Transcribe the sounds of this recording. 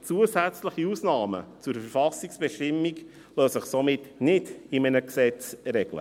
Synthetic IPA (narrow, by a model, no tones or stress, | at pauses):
t͡suəzæt͡sləχiusnɑːmə̰t͡sʊɾfəɾfɑsiksb̥ɛʃtɪmːiɡ | løːsəχsomɪtnɪdɪmənəksɛt͡sɾɛɡ̥lə̰